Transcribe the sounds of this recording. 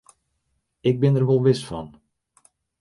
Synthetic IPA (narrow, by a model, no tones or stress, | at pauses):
ɪɡ̚bɪnərʋolˠʋɪsfɑ̰n